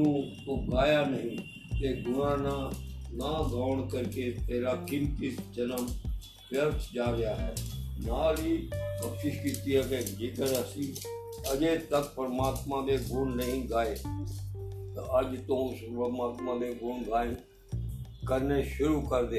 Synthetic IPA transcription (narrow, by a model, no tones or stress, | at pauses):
ũ | oɡaːjanɐɦĩː | t̪eːɡʊnãːnãːnaːɡʱaːʋɳkəɾket̪eːɾaːkɪnt̪itd͡ʒənəm | ʋjəɾt̪ʰd͡ʒaːɾɪjaːɦɛːnaːɾikəːpʃɪʃkiːt̪iɦɛːked͡ʒɪkəɾəsiː | ɐd͡ʒet̪ək̚pəɾmaːt̪mãd̪eɡʱʊɳnəɦĩːɡaːeː | t̪ɐɐd͡ʒt̪õspəmaːt̪mãːd̪eɡʱʊɳɡaːn | kəɾneʃʊɾuːkəɾd̪eː